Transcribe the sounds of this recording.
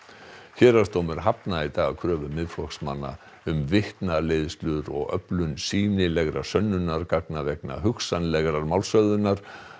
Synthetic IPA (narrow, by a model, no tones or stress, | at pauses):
çɛːɾast̪owmɛɾ̥ɦapnait̪aːɣakʰɾœːvʏmɪðflɔksmanːa̰ | ʏmvɪht̪naleːðst̪lʏðɾɔ̰ɣœ̰plʏnsiːnɪlɛɣɾa̰̥sœnːʏnaɾkak̚navɛkna̰ɦʏksanlɛɣɾaɾmawlsœðʏnaɾ̥